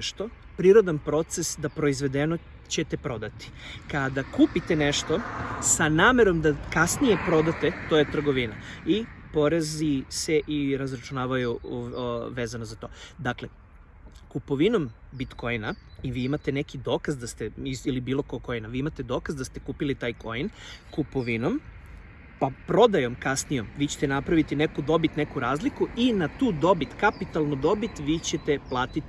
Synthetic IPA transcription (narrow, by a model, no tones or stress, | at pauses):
ʃt̪o̞ | pɾiɾo̞d̪anpɾo̞t̪se̞sd̪apɾo̞izʋe̞d̪eno | t͡ɕe̞t̪e̞pɾo̞d̪at̪i̥kad̪akuːpit̪eneʃt̪o̞sanaːme̞ɾo̞md̪akasnije̞pɾo̞d̪at̪e̞t̪ojet̪r̩ɡo̞ʋina̰i | po̞ɾezise̞ʔiɾazɾat͡ʃunaːʋaju | ʋeːzanozat̪o̞ːd̪akle | kupoʋino̞mbit̪kojnaiʋiːimat̪e̞ne̞kid̪o̞ːkazd̪ast̪e̞iilibiːlˠo̞ko̞ɡko̞jnaʋiːimat̪e̞d̪o̞ːkazd̪ast̪ekuːpilit̪aːjkʰo̞jnkupoʋino̞m | papɾo̞d̪ajo̞mkasnijo̞mʋiːt͡ɕe̞̥t̪enapɾaʋit̪inekud̪o̞bit̪ne̞kuɾaːzlikuinat̪uːd̪o̞bit̪kapit̪alˠnod̪o̞bit̪ʋit͡ɕe̞t̪e̞plˠaːt̪it̪